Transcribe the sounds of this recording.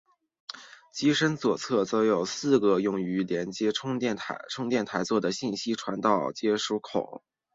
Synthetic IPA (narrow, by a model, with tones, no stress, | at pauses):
t͡ɕi˥ʂə˥nt͡swɔ˨˩t͡sʰɤ˥˩t͡so˧˥ʊjo˨˩ʊsɹ̩˥˩ɡə˧˩jʊ˥˩ŋy˧˥ljɛ˧˥nt͡ɕjɛ˥ʈ͡ʂʰʊ˥ŋɛ˥˩nt̪ʰa̰˧˥ʈ͡ʂʰʊ˥ŋt̪jɛ˥˩nt̪ʰa˧˥ɪt͡swɔ˥˩d̪ə˩ɕi˥˩nɕi˥ʈ͡ʂʰwa˧˥nt̪ɑ˥˩ʊt͡ɕjɛ˥ʂu˧˥kʰo˨˩˦